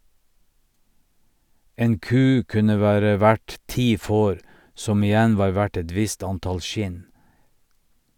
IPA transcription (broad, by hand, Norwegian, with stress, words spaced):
ˈeːn ˈkʉː ˈkʉnə ˈʋæːɾə ˈʋæɖ ˈtiː ˈfoːɾ ˈsɔm ɪˈjɛn ˈʋɑːɾ ˈʋæʈ ˈɛt ˈʋɪst ˈɑnˌtɑl ˈʃɪn